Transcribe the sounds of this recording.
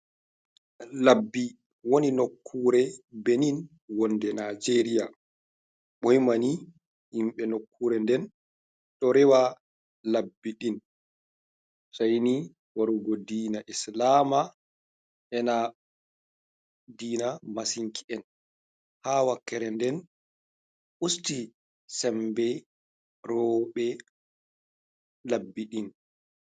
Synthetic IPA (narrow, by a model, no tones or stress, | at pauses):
labːi | woninokʰːuːɾɛbenin | wɔnːdɛnad͡ʒeɾija | ɓɔjmani | imɓɛnokʰːuɾɛndɛn | ɗɔɾɛwa | labːiɗin | sajni | waɾuɡɔdiːnaʔislaːma | ʔɛna | diːnamasiŋkʰi̥ɛn | hawakːɛɾɛndɛn | ʔusti | sɛmbɛ | ɾɔɓɛ | labːiɗin